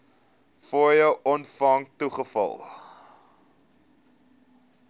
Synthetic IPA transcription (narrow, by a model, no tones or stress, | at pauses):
fɔjəwʔɔntfɐŋtuχəfɐ̰lˠ